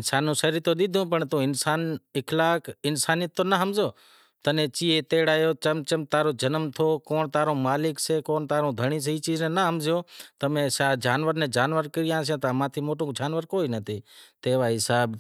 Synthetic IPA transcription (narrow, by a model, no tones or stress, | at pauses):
ɪnsaːnːũːsəɾit̪oːɗ̪ɪd̪ʱũːpəɳt̪õːɪnsaːnɪkʰlaːkɪnsaːnɪjət̪ːoːnəɦəmzoː | t̪ənẽːt͡ʃiːeːt̪eːɽaːjoːt͡ʃəmt͡ʃəmt̪aːɾoːd͡ʒənəmt̪ʰoːkoːɳt̪aːɾõːmaːlɪkseːkoːnt̪aːɾõːd̪ʱəɳiːs̬əɦiːt͡ʃiːznẽːnəɦəmzɪjoːt̪əmẽːsaːd͡ʒaːnʋəɾnẽːd͡ʒaːnʋəɾkəɾɪjãːsjãːt̪əəmãːt̪ʰiːmoːʈõːk̚d͡ʒaːnʋəɾkoːiːnət̪ʰiːt̪eːʋaːɦɪsaːb